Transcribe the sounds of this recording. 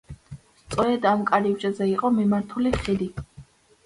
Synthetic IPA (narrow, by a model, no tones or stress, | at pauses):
st̪sʼwɔɛd̪amkʼaɾivd͡ʒazɛiqʼɔmimaɾt̪ʰuliχid̪i